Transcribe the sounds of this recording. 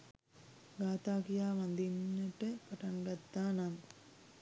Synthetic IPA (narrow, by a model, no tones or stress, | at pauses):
ɡaːt̪aːkijaːʋand̪inːəʈəpaʈaŋɡat̪ːaːnaŋ